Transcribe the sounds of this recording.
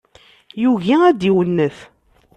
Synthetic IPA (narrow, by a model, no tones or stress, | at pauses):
juʝiæd̪iwənːəθ